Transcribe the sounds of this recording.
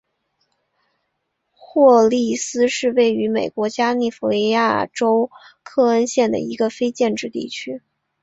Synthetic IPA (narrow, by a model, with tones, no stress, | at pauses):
xwɔ˥˧li˥˩sɹ̩˥ʂɻ̩˥˧we˥˩ɪy˧˥me˨˩ɪkwɔ˧˥t͡ɕja˥ni˥˩fɔ˧˥li˥˧ja˥˩ʈ͡ʂo˥ʊkʰɤ˥˩ə˥nɕjɛ˥˩nd̪ə̰˩i˧˥ɡə˧fe˥ɪt͡ɕjɛ˥˧nʈ͡ʂɻ̩˥˧t̪ḭ˥˩t͡ɕʰy˥